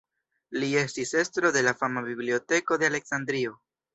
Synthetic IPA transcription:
lie̞stise̞st̪ɾo̞de̞lafamabiblio̞te̞ko̞d̪e̞ale̞ksand̪ɾio̞

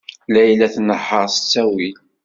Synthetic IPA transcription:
læjlːæθnəħːəɾsə̥t͡sːæwil

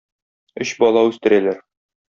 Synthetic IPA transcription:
ɵɕbɒlˠɑʉst̪ɘ̆ɾælæɾ

